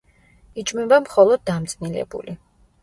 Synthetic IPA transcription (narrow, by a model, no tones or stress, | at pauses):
it͡ʃʼmɛbamχɔlˠɔd̪̚ːamt̪sʼnilɛ̰bṵli